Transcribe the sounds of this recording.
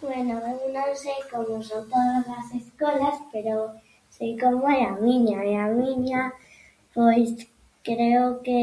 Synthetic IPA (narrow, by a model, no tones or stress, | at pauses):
bwenoβeunõnsejkomosot̪oðazlaseskolaspeɾo | sejkomoajamĩɲaeamiɲa | pojs | kɾeoke